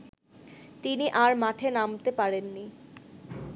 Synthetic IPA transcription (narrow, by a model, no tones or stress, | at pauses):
t̪iniʔaɾmaʈʰenamt̪epaɾenːi